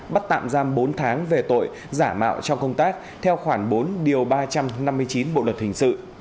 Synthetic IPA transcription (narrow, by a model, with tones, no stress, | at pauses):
ɓa˦˥t̚t̪a̰ː˧˨mzaː˧mɓo˨˦nt̪ʰaː˨˦ŋve˨˩t̪o̰˧˨j | zaː˧˩ma̰ː˧˨wt͡ɕɔ˧wŋ͡mkə˧wŋ͡mt̪aː˦˥k̚ | t̪ʰɛ˧wxwaː˧˩ŋɓo˨˦nɗi˨˩əwɓaː˧t͡ɕa˧mna˧mːɨ˧əjt͡ɕi˨˦nɓo̰˧˨lə˨˩t̚hï˨˩ŋ̟sɨ̰˧˨